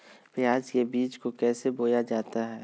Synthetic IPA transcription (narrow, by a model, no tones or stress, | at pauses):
pɪjaːd͡ʒkebiːt͡ʃkokɛːseboːjad͡ʒaːt̪aɦɛː